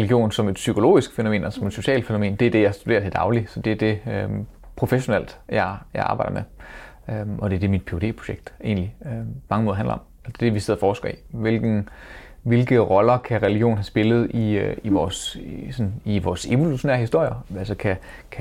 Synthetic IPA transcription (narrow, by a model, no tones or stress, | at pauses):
ʁɛliɡ̥jo̝̰ːnsɒ̽me̝d̥sykʰo̝lo̝̰ːisɡ̥fenome̝̰ːnɒsɒ̽me̝d̥so̝ɕɛ̰ːl̥fe̝no̝me̝̰ːnd̥e̝æɐd̥e̝jɑ̈ɪsd̥ude̝ːɐt͡sʰe̝d̥ɑ̈ʊlisɒ̽d̥e̝æɐd̥e̝øpʰʁo̝feɕo̝nel̰d̥jɑ̈ɪjɑ̈ɪɑ̈ːb̥ɑ̈ɪdɐme | ømɒ̽d̥e̝æɐd̥e̝mid̥̚pʰe̝o̝de̝̰ːpʰʁ̥o̝̥ɕeɡ̥̚d̥e̝̰ːnliømɑ̈ŋəmoːðˠɦænlɐɒ̽mæsd̥e̝d̥eʋise̝ðˠɐfɒːsɡ̥ɐḭʋe̝lɡ̥n̩ | ʋe̝lɡ̥əʁɒ̽lɐkʰæʁɛliɡ̥jo̝̰ːn̩ɦæsb̥e̝lð̞̩ˠiiʋɒːssɒ̽niʋɒ̰ːse̝ʋo̝luɕo̝nḛɐhisd̥o̝ɐ̰jɐælsɒkʰæ | kʰæ